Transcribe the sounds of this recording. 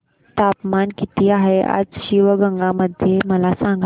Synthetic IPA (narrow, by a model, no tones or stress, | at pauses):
t̪apmankit̪ʰiːaɦea̰d͡zɕiʋəɡəŋɡaməd̪ʱjeməlasãŋɡ